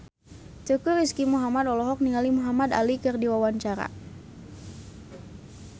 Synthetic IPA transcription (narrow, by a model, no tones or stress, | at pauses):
t͡ʃukuɾiskimuɦamad̪ɔlɔɦɔk̚niŋalimuɦamad̪a̰likɨrdiwawaɲt͡ʃaɾa̰